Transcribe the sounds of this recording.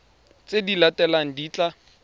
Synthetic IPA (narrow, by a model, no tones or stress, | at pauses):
t͡sʼedilatɛlaŋ̩diːt͡ɬʼa